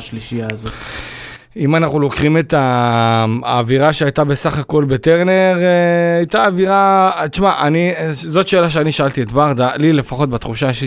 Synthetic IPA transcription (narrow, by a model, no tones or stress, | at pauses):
ʃliʃijaːzot | imanaχnulo̞kʁime̞t̪a | viʁaʃeajtabe̞saχako̞lbe̞te̞ʁne̞ʁajtaːviʁat͡ʃmaʔanizo̞tʃe̞ːlaʃ̬eaniʃaalt̪ietbaʁd̪alile̞faχo̞tbat̪χuʃaʃe